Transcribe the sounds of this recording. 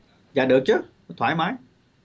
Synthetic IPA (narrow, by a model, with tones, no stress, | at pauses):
zaː˨˩ɗɨ˨˩ək̚t͡ɕɨ˦˨˦ | t̪ʰwaː˧˩jmaː˨˦j